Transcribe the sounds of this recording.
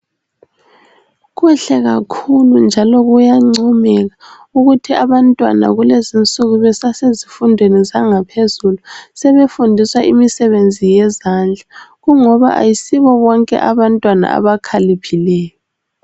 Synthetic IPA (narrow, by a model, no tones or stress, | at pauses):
ɣuɬɛɣakʰulund͡ʒʱalɔɣujaŋ͡ǀumɛɣa | uɣutʰiaβantʼwa̰na̰ɣulezint͡sʼuɣuβɛsasezifundʱwenizaŋapʰezulusɛβefundʱiswaʔimisɛβend͡zʱijɛzand͡ɮʱaɣuŋɔβa̰ʔa̰jisiβɔβɔŋkʼɛ̰ʔaβantʼwana̰a̰βakʰalipʰilɛːjɔ